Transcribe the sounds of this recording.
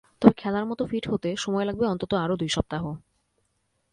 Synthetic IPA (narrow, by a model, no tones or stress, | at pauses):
t̪ɔbekʰɛlaɾmɔt̪ofiʈɦot̪eʃɔmɔelaɡ̚beɔnt̪ot̪oaɾod̪ujʃɔb̚t̪aɦo